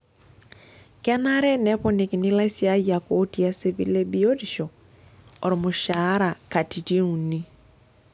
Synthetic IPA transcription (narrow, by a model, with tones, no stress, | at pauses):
ka˦na˦ɾɛ˦nɛ˦po˦ni˨ki˨ni˦la˦i˦si˦a˦ja˨ko˦ti˦a˦se˦βi˦le˦bi˦o˦di˨ʃo˨ | ɔ˨ɾi˨mu˨ʃa˦ɾa˨ka˨ti˨ti˦u˨ni˦